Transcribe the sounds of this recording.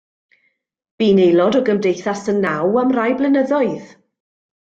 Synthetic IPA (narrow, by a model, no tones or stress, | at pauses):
b̥iːnejlˠɔdɔɡəmdejθasənːawamrajblɪnəðɔɨð